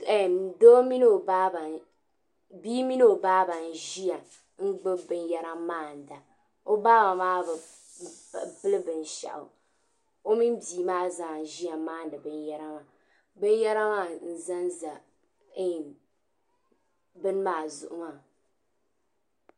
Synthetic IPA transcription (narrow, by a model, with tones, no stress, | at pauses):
do˦mi˦no˦˨ba˦ba˨ | biː˦mi˦no˦o˨baː˦ba˨n̩˨ʒi˦ja˨ | ŋ̩˦ɡ͡bɨ˦bɨ˦nja˦ɾa˦maː˦˨n˨da˨ | o˦baː˦ba˨maː˦b | bɨ˦lɨ˦bɨ˨n̩˨ʃa̰˨ʔʊ̰˨ | o˦mi˦n˦biː˨maː˦za˨ʒi˦a˨˦maː˦˨n̩˦dɨ˨bɨ˦n˦ja˦ɾa˦ma˨ | bɨ˦n˦ja˦ɾa˦maː˦˨n̩˨za˦n˦za˨˦˨ | bɨ˦n˦maː˦˨zʊ̰˨ʔʊ˦ŋa˨